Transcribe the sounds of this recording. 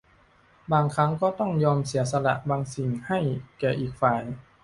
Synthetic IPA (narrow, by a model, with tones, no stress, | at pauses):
baː˧ŋkʰa˦˥ŋkɔː˥˩t̪ɔ˥˩ŋjɔː˧msi˩˦ɐsa˧la̰˧ʔbaː˧ŋsi˨˩ŋha˥˩jkɛː˨˩ʔiː˨˩k̚faː˨˩j